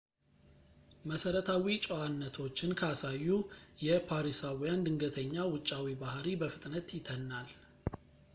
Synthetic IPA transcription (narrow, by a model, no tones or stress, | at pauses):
məsəɾət̪ʰawit͡ʃʼowanːət̪ʰo̞t͡ʃːɪnkʰəasajːujɛpʰaɾisawijand̪ɨŋɡət̪ʰəɲːawʊt͡ʃʼːawibahɾibəfɨt̪ʼnət̪jɪt̪ʰənːal